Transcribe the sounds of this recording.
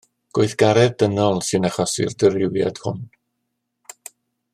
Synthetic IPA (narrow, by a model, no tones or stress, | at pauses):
ɡ̥oɨθɡ̥aɾɛðd̥ənɔlˠsɨnaχɔsɪ̰rdəɾɪwja̰d̥hʊ̰n